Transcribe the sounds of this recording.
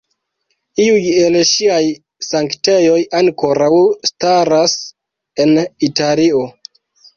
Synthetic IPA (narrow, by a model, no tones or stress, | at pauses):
iuje̞lʃiaj | saŋkte̞jo̞jaŋko̞ɾawstaɾas | e̞nitalio̞